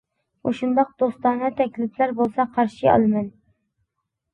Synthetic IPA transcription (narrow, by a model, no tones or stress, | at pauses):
oʃund̪ɑq̚d̪ost̪ɑnɨt̪ʰɛkʲlɪplæɾbolˠsɑqʰɑɾʃiɑ̰lˠmɛn